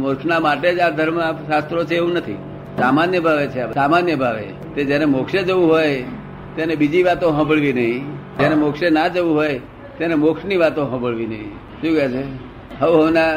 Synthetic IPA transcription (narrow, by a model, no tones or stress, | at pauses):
mokʂnamaʈed͡ʒad̪ʱəɾmaʃast̪ɾot͡ʃʰeeʋũnət̪ʰḭ | samanjəbʱaʋet͡ʃʰeapsamanjəbʱaʋḛ | t̪ed͡ʒenemokʃed͡ʒəʋũɦoj | t̪jenebid͡ʒiʋat̪õɦə̃bəɭʋinəɦĩd͡ʒenemokʃenad͡ʒəʋũɦoj | t̪enemokʂniʋat̪õɦə̃bəɭʋinəɦḭ̃ | ʃũkɛt͡ʃʰe | ɦəʋɦəʋna